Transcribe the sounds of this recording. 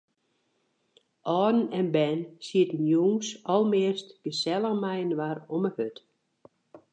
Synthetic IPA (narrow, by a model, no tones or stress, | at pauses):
ʔɔːdn̩ɛnbɛnsiətən̩juŋsɔlˠmɪəstɡ̥əsɛlˠəɣmɛjənʋaroməhøt